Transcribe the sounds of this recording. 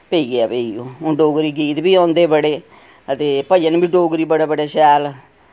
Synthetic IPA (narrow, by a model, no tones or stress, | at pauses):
peːiːɡeaːpeːioːõːɖoːɡɾiːɡiːt̪biːãːnd̪eːbəɽeː | ət̪eːpəd͡ʒənbiːɖoːɡɾiːbəɽaːbəɽeːʃaːl